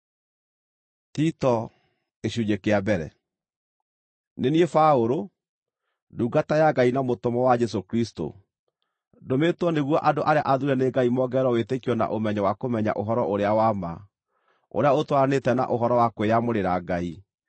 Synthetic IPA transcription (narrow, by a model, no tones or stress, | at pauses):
titɔ | eɕuɲekeabɛɾɛ̰ | neniefaoɾo | nduːɡatajaɡainamotɔmɔwad͡ʒɛs̬okɾisto̰ | dometwɔneɣwɔʔadoʔaɾea̰ʔaðuɾɛneɡaimɔːɡɛɾɔwetekiɔna̰ʔomɛɲɛwakomɛɲa̰ʔoɦɔɾɔʔoɾeawama | o̰ɾeaotwaɾanetɛna̰ʔoɦɔɾɔwakweamoɾeɾaɡai